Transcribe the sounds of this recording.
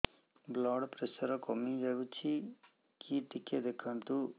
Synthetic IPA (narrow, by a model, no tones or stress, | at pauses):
blɔːɽpɾesəɾɔkɔmid͡ʒabut͡ʃʰi | kiʈiked̪ekʰant̪u